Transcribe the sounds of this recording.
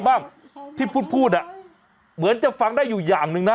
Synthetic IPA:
baː˥˩ŋ | t̪ʰiː˥˩pʰuː˥˩t̪̚pʰuː˥˩t̪̚ʔa˧˩ | mɯ˩˦nt͡ɕa˨˩fa˧ŋdaː˥˩jːuː˨˩jaː˨˩ŋnɯ˧ŋna˦˥

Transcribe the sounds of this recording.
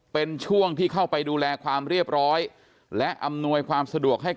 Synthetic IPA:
pe˧nt͡ɕʰu˥˩əŋt̪ʰiː˥˩kʰa˥˩wpa˧jduː˧lɛː˧kʰwaː˧mɾi˥˩əp̚ɾɔː˦˥j | lɛ˦˥ʔa˧mnu˧əjkʰwaː˧msa˧du˨˩ək̚ɦa˥˩

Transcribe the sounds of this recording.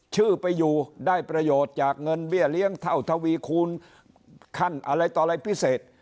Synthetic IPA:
t͡ɕʰɯː˥˩pa˧jːuː˨˩daː˥˩jpɾa˧joː˨˩t̪̚t͡ɕaː˨˩k̚ŋɤ˧nbi˥˩əli˦˥əŋt̪ʰa˥˩wt̪ʰa˧wiː˧kʰuː˧n | kʰa˥˩nʔa˧ɾa˧jt̪ɔː˨˩ɾa˧jpʰi˦˥˩seː˨˩t̪̚

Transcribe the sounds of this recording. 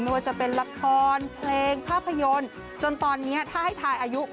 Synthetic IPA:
nu˧əjt͡ɕa˨˩pe˧nla˧kʰɔː˧npʰleː˧ŋpʰaː˥˩pʰːa˧jo˧n | t͡ɕo˧nt̪ɔː˧nːi˦˥ɐt̪ʰaː˥˩ha˥˩jt̪ʰaː˧jʔaː˧ju˦˥

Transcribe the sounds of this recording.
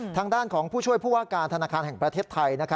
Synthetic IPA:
t̪ʰaː˧ŋdaː˥˩nkʰɔː˩˦ŋpʰuː˥˩t͡ɕʰu˥˩əjpʰuː˥˩waː˥˩kaː˧nt̪ʰa˧naː˧kʰaː˧nhɦɛ˨˩ŋpɾa˧t̪ʰeː˥˩t̪ʰːa˧jna˦˥kʰa˦˥

